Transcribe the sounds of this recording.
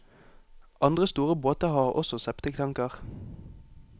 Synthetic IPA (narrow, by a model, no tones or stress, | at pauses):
ʔɑnd̪ʁəst̪uːʁəboːt̪əhɑːʁɔ̰sɔsɛpt̪əkʰt̪ʰɑŋkəʁ